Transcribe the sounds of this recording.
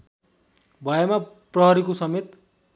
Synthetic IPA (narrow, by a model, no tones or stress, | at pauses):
bʱʌjema | prʌɦʌɾikosʌmet̪